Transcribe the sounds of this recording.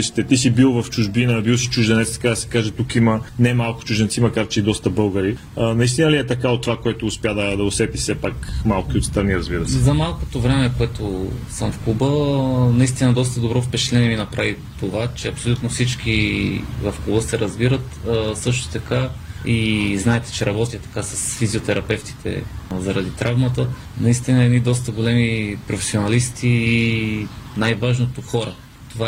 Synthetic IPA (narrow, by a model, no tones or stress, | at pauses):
iʃi̥t̪ɛt̪isibilˠvɐft͡ʃuʒbinəbilˠsi̥t͡ʃuʒd̪ɛnɛt̪st̪ɐ̥kad̪ɐsɛ̥kaʒɛt̪ukimənɛmalˠkʊ̥t͡ʃuʒɛnt̪simɐkaɾt͡ʃɛid̪ɔst̪əbɤlˠɡəɾi | nɐist̪inəliɛt̪ɐkaot̪ːovakoɛt̪ʊːspʲjad̪ɐd̪ɐʊsɛt̪isɛpakmalˠk̟iot̪st̪ɾɐniɾɐzbiɾəsɛzɐmalˠkot̪ovɾɛmɛkoɛt̪osəmfklubənɐist̪inɐd̪ɔst̪əd̪obɾɔfpɛt͡ʃɛ̥t̪lɛniɛmiɛnɐpɾavit̪ovat͡ʃɛɐpsolʲut̪nofsit͡ʃk̟ivɐfklˠubəsɛɾɐzbiɾət̪sɤʃt̪o̥t̪ɐkaiznaɛt̪ɛ̥t͡ʃɛɾɐbɔt̪ijɐt̪ɐ̥kasɐsfiziot̪ɛɾɐpɛft̪i̥t̪ʰɛ̰zɐɾɐd̪it̪ɾʔavmɐt̪ə | nɐist̪inəɛd̪nid̪ɔst̪əɡolɛmipɾofɛ̥sionɐlist̪iː | najvaʒnot̪oxɔɾə | t̪ova